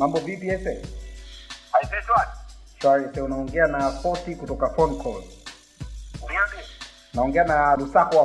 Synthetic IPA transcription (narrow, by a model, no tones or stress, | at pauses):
mambɔvipiɛsɛ | aifɛtwaniʃaɛsɛunaɔŋɡɛanafɔtikutɔkafɔnkʰɔl | uamɛ | naɔŋɡɛanalusakɔwa